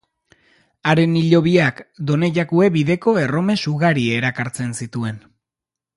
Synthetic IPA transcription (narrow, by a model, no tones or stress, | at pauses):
aɾe̞niʎo̞βiakd̪o̞ne̞ʝakue̞βiðe̞ko̞e̞ro̞me̞suɣaɾieɾakaɾt͡se̞nsit̪ue̞n